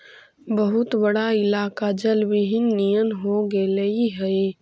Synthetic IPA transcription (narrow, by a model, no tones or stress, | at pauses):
bəɦʊt̪bəɽaɪlaːkad͡ʒəlbɪɦɪnːijənɦoɡeləiɦɛe